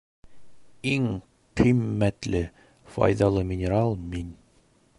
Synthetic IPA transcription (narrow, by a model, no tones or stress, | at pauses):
iŋ | qimːæt̪lɘ | fɒ̰jðɑlˠɤmʲɪnʲɪɾalˠmin